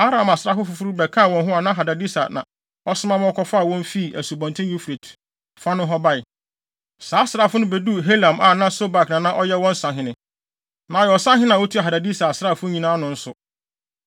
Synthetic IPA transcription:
a˦ɾã˨ma˨sɾa˦fʊ˦fʊ˨fʊ˦ɾʊ˦bɛ˨kʰã˦˨wɔ̃˨nɦʊ˦a˨nã˦ɦa˨da˨di˦sa̰˨nã̰˨ | ɔ˦sɪ˦mã˦m̃˦ɔ˦kʰɔ˦fa˦˨wɔ̃˦m˦fi˦˨ʔæ̰˨su˨bɔ̃˨ntʰɪ̃˦ju˦fɾe˨tʰ | fa˦nʊ̃˦ɦɔ˦ba˦ɪ˨ | saː˨˦sɾa˦fʊ˦nʊ̃˦be˨du˦ɦe˦lã˨mʔa˨nã˦so˦ba˨knã˨nã˦ʔɔ˦jɛ˦wɔ̃˦n̩˦sã˨ɦɪ̃˨nɪ̃˨ | nã˨jɛ˨ɔ˨sã˦ɦɪ̃˦nã˨wɔ˦tʰu˦a˨ɦa˨da˨di˦sa˨a˨sɾa˦˨fʊ˦ɲĩ˨nãː˦nʊ̃˦n̩˦sʊ˨

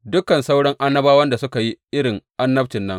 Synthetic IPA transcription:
dʊ˦kɐ˨nsa˦wɽɔ˦ŋʔa˦nːɐ˦baː˦wɐ˦nda˨sʊ˦ka˨ji˦ʔɪ˦ɽɪ˨ŋʔa˦nːɐ˦ɸt͡ʃɪ˨nːɐ˦ŋ

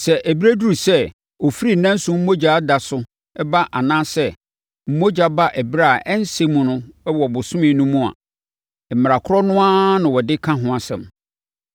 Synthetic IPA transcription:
sɛ˨ʔæ˨bi˦ɾæ˦du˦u˨sɛ˦ | o˨fi˦ɾi˦˨nã˦n̩˦sʊ̃˦m̩˦mo˦d͡ʑa˨a˦da˨sʊ˦ | ɛ˦ba˦ʔa˨nãː˦sɛ˦ | m̩˦mo˦d͡ʑa˦ba˦ʔɛ˨bɾa˦˨ɛ˦n˦se˦mʊ̃˨nʊ̃˦ɛ˦wɔ˨bʊ˨sʊ̃˦mɪ̃˨˦nũ˦mũ˦a̰˨ | m̩˨mɪ˨ɾa˨kʰʊ˦ɔ˦nʊ̃˦a˦nʊ̃˨wɔ˨dɪ˦kʰã˦ɦʊ̃˦a˨sɛ̰̃˨m

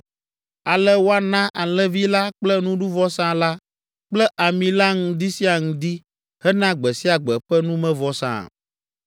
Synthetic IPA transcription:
a˨lɛ˦wo˦a˦nã˦ʔa˨lɛ̃˦vi˦la˦k͡plɛ˦nũ˦ɖũ˦vɔ˦sã˦la˦ | k͡plɛ˦ʔa˨mĩ˨la˦ŋũ˨d̪i˦si˦a˨ŋũ˦d̪i˦ | hɛ˦nã˦ɡ͡bɛ˨si˦a˨ɡ͡bɛ˨ɸɛ˦nũ˦mɛ̃˦vɔ˨sã̰˨

